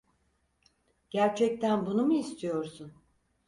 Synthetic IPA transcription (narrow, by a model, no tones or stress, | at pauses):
ɟ̥æɾt͡ʃʰɛc̚t̪ʰænbunumuist̪ʰijo̞ɾsun